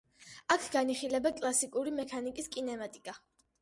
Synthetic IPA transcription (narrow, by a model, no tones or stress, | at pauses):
akʰɡaniχilɛbakʼlˠasikʼuɾimɛkʰanikʼiskʼinɛmat̪ʼikʼa